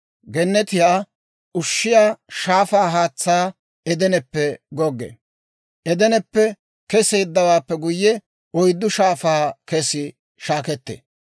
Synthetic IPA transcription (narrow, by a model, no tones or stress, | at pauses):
ɡɛnːɛt̪ɪjaː | ʔʊʃːɪjaːʃaːfaːɦaːt͡sːaː | ɛd̪ɛnɛpːɛɡɔɡːḛ | ʔɛd̪ɛnɛpːɛ | kɛse̞ːd̪ːɐwaːpːɛɡʊjːɛ | ɔjd̪ːʊʃaːfaːkɛsɪ | ʃaːkɛt̪ːḛː